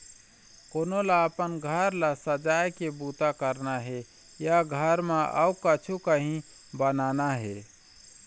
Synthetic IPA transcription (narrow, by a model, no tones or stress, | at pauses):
konolaəpənɡʱəɾlasəd͡ʒajkebut̪akəɾnaɦe | jaɡʱəɾmeʔə̰ukət͡ʃʰukəɦĩ | bənanaɦe